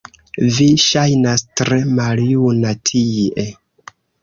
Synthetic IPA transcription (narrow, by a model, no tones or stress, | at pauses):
viʃajnastɾe̞maljunatʰiʔe